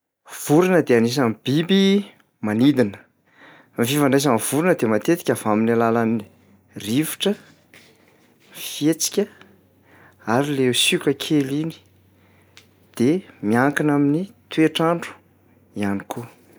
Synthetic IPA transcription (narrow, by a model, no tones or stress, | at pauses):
v̥uɾinəd̪eanis̬amib̥ibi | manid̪inə̥ | mifivaɳɖ͡ʐas̬amv̥uɾinəd̪emat̪et̪i̥kʲav̥aminalalanni | rivi̥ʈ͡ʂə | mfet͡si̥kʲə | aɾilesukʲəkʰelini̥ | d̪̥emiaŋkinaminit̪ueʈ͡ʂaɳɖ͡ʐu̥ | ianikʰu